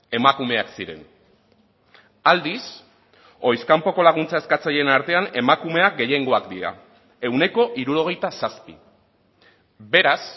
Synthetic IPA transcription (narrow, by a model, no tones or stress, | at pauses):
e̞makume̞aksiɾe̞n | ald̪is | o̞jskampo̞ko̞laɣ̞unt͡sae̞skat͡saje̞naɾt̪e̞ane̞makume̞ak̚ɡe̞je̞ŋɡo̞akd̪iɾa̰ | e̞wne̞ko̞ʔiɾuɾo̞ɣ̞e̞jt̪asaspḭ | be̞ɾas